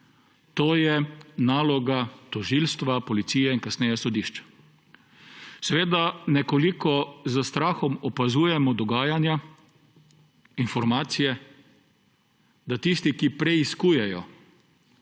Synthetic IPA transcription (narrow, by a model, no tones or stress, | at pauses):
t̪oːjɛnaːlɔɡat̪ɔʒiːlst̪ʋapɔlit̪siːjɛinkasnɛːjɛsɔd̪iʃt͡ʃḁ | sɛʋeːd̪anɛkɔlikɔzəst̪ɾaːxɔmɔpazuːjɛmɔd̪ɔɡaːjanja | infɔɾmaːt̪sijɛ | d̪at̪ist̪ikipɾɛiskuːjɛjɔ